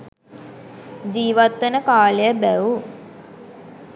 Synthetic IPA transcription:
d͡ʒiːʋat̪ːenəkaːlejəbæʋu

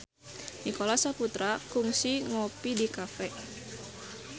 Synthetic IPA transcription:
nikolasaput̪ɾakuŋsiŋopidikafɛʔ

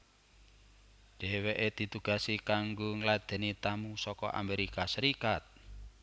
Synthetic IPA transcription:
ɖ̥eweʔed̪̥i̤t̪uɡ̥a̤sikaŋɡoŋlad̪̥ɛ̤nit̪amusɔkɔ̰ʔa̰meɾikasəɾikat̪̚

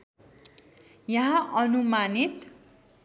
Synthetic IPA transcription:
jʌɦãʔʌnumanit̪

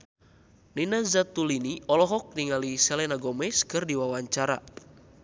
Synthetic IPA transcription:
ninazat̪uliniɔlɔɦɔk̚niŋalisɛlɛnaɡɔmɛskɨrdiwawaɲt͡ʃaɾa̰

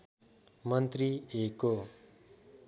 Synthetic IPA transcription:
mʌnt̪rieko

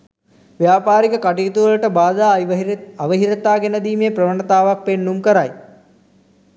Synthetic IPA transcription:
ʋjaːpaːɾikəkaʈiit̪uʋələʈəbaːd̪aːaʋəɦiɾət̪aːɡenəd̪iːmejprəʋəɳət̪aːʋak̚penːumkəɾaj

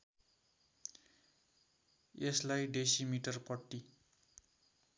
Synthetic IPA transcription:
eslajɖesimiʈʌrpʌʈːi

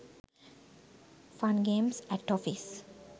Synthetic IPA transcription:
fãnɡẽːmsækʈɔfis

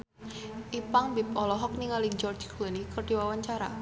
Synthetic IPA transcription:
ʔipaŋbipɔlɔɦɔk̚niŋalid͡ʒɔrd͡ʒklɛnikərɖ̥iwawaɲt͡ʃaɾa

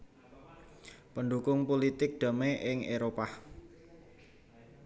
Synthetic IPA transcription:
pənɖukʊŋpolit̪ɪk̚d̪̥a̤meʔɪŋeɾopa

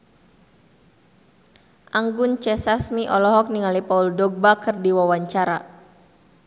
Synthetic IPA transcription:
ʔaŋɡʊnt͡ʃɛsasmiʔɔlɔɦɔk̚niŋalipauldɔɡ̚bakɨrdiwawaɲt͡ʃaɾa

